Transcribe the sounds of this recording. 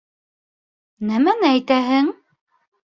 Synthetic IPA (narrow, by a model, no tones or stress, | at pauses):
næmænɘæjt̪æɦɘŋ